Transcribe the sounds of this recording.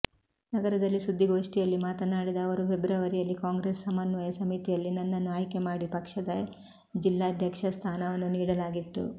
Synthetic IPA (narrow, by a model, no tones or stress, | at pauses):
nɐɡɐɾɐd̪ɐlːisud̪ʱːiɡo̞ːʂʈijɐlːimaːt̪ɐnaːɽid̪ɐːʋɐɾupʰebɾaːʋɐɾijɐlːikaːŋɡɾesɐmɐnʋɐjɐsɐmit̪ijɐlːinɐnːɐnːuaːjikemaːɽipɐkʂɐd̪ɐ | d͡ʒilːaːɐd̪ʱjɐkʂɐst̪ʰaːnɐʋɐnːuniːɽɐlaːɡit̪ːṵ